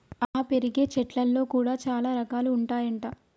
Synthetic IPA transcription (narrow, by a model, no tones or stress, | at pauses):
aːpe̞ɾiɡe̞ːt͡ʃɛʈlɐlːo̞ːkuːɽaːt͡ʃaːlaːɾɐkaːluːɳʈaːjɐɳʈaː